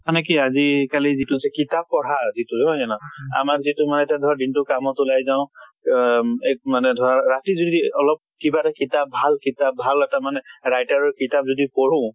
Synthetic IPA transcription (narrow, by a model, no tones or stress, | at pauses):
ɔnɛk̬iazikalizitusɛkitap̚ːɔɹ̤azitʊzɔɦɔɛnɔa̰makzitʊmanɛɛtadʱɔɹadintʊkamɔtʊlajzaʊ̃ | emanɛdʱɔaɹatizodiɔlɔp̚kibatakitap̚bʱalkitap̚bʱalɛtamanɛɹajtaɹɔkitap̚zɔdipɔɹ̤ũ